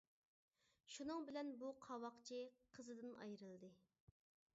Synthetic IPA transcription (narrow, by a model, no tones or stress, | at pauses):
ʃunɨŋbɪlɛnbuqʰɑwɑqt͡ʃʰiqʰəzɨd̪ɨnɑ̰jɾɨlˠd̪ɨ